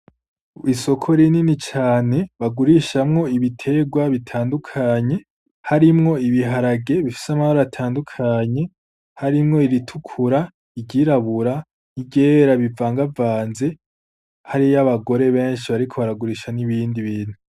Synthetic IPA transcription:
iso̞kʰo̞ɾininit͡ʃaːne̞βaɡuɾiʃamŋo̞iβitʰe̞ɡwaβitʰaːndukʰaɲe̞ | haɾimŋo̞iβiɦaɾaɡe̞βifi̥samahoɾaatʰaːndukʰaɲe̞ | haɾimŋo̞iɾitʰukʰuɾa | iɟiɾaβuɾa | iɟe̞ːɾaβivaːŋɡavaːnze̞ | haɾijaβaɡo̞ɾe̞βe̞ːnʃiβaɾikʰo̞βaɾaɡuɾiːʃaniβiːndiβiːn̥hu

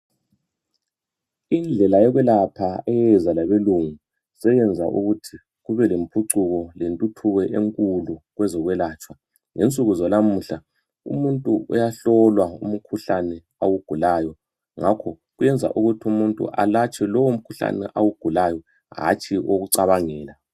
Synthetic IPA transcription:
ind͡ɮʱɛlajɛɣwɛlapʰaɛjɛzalaβeluŋu | sɛjɛnd͡zʱa̰ʔuɣutʰi | ɣuβɛlempʰuǀuɣɔlentʼutʰuɣɛʔeŋkʼuluɣwɛzɔɣwɛlaːt͡ʃʼwa | ŋent͡sʼuɣuzɔlam̩ːɬa | ṵmuntʼuʔɔjaɬɔlwaṵm̩kʰuɬanɛ | awuɡ̥ʱulajɔ | ŋakʰɔ | ɣujɛnd͡zʱa̰ʔuɣutʰiumuntʼṵʔa̰lat͡ʃʼɛlɔwom̩kʰuɬa̰nɛ̰ʔawuɡ̥ʱulajɔ | ɦa̰t͡ʃʰʼiʔoɣuǀaβaŋɛːla

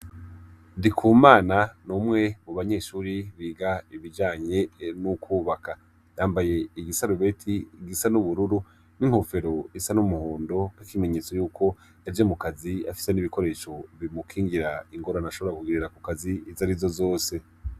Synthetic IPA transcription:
ndikʰuːmaːnanumŋe̞muβaɲe̞ːʃuːɾiβiːɡaiβid͡ʒaːɲe̞nukʰuːβaka | jaːmbaje̞iɡisaɾuβe̞tʰiɡisanuβuɾuɾu | niŋ̥hofe̞ɾo̞isanumuhoːndo̞kwikime̞ɲe̞ːt͡so̞juːkʰo̞ | evjemukaziafi̥se̞niβiko̞ɾe̞ːʃo̞βimukʰiːŋɡiɾaiŋɡo̞ɾanaʃo̞βoɾakuɡiɾiɾakukaziːzaɾivzo̞zo̞ːse̞

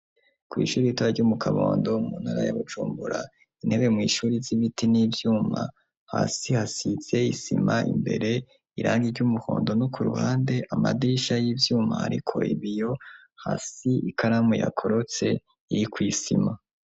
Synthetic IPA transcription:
kwḭːʃuːɾijitoɾaɾɟuːmukʰaβoːndo̞munhaɾa̰jaβud͡ʒuːmbuɾa | in̥he̞βe̞mŋiːʃuːɾiziβitiniːbjuːma | haːsihasiz̥e̞isḭmaʔḭmbe̞ɾe̞ | iɾaːŋɡiɾɟumuho̞̰ːndo̞nokuɾṵhaːnde̞ʔamadiʃajibjuːmaha̰ɾḭkʰo̞̰iβijo̞ | haːsiikaɾamwejakʰo̞ɾo̞t͡se̞ | iɾikwiːsḭma

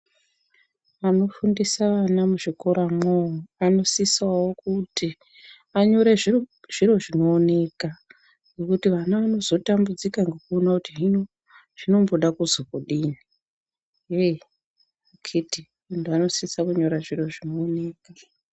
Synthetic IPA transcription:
ano̞fundisaʋanamuʐiko̞ɾamooano̞sisawokuti | aɲo̞ɾeʐiʐ̥iro̞ʐino̞ːne̞ka | ɡekutiʋanaʋano̞zo̞tambud͡zikaŋɡekuonakutiʐino | ʐ̥ino̞mbo̞ɗakuzokoɗini | e | akʰiti | unduano̞sisakuɲo̞ɾaʐiro̞ʐinoːne̞ːka

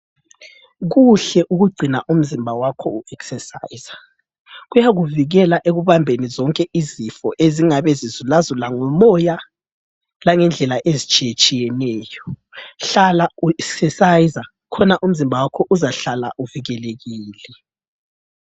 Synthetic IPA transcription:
ɣuɬɛʔuɣuɡ͡ǀʱina̰ʔum̩zimbʱawakʰɔuɛksɛsajz̥a | ɣujaɣuviɣɛlaʔeɣuβambʱenizɔŋkʼɛʔizifɔʔeziŋaβɛzizulazulaŋɔmɔja | laŋɛnd͡ɮʱɛlaʔezit͡ʃʼijet͡ʃʼijɛnɛːjɔɬalauɛksɛsajza | kʰɔnaʔum̩zimbʱawakʰɔʔuzaɬala̰ʔuviɣɛleɣiːlɛ

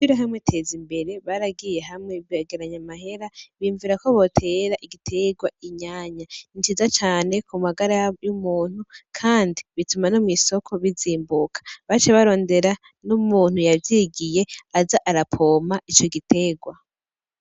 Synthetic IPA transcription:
iɾaɦamŋetʰe̞ːzimbe̞ɾe̞βaɾaɡije̞ɦamŋeaɡeɾaɲamaɦe̞ɾaβiɱviɾako̞βo̞tʰe̞ːɾaʔiɡitʰe̞ɡwaiɲaːɲaint͡ʃizat͡ʃaːne̞kumaɡaɾajumuːn̥hukʰaːndiβitumanomwiso̞kʰo̞βiziːmbukʰḁβat͡ʃeβaɾo̞ːnde̞ɾa | numuːn̥hujavjiɡije̞azaʔaɾapʰo̞ːmait͡ʃo̞ɡitʰe̞ɡwa

